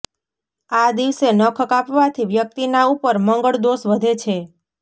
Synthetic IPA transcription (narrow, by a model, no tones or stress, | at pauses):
ad̪iʋsenəkʰəkapʋat̪ʰiʋjək̚t̪inaupəɾməŋɡəɭd̪osʋəd̪ʱet͡ʃʰe